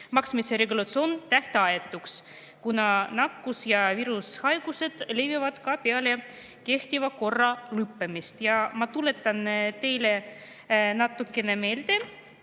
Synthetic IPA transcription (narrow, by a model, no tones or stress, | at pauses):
mɑksmiseɾe̞ɡulɑt̪sio̞nt̪æht̪eɑjet̪ːˑuks | kunɑnɑkːusjɑviɾushɑjɡ̥use̞d̪̥le̞jvivɑd̪̥kɑpeɑle̞ | ke̞ht̪ivɑko̞rːɑlɯpːemist̪jɑmɑt̪ule̞t̪ːˑɑnt̪e̞jle̞ | nɑt̪ːˑukːˑe̞ne̞me̞ːld̪e̞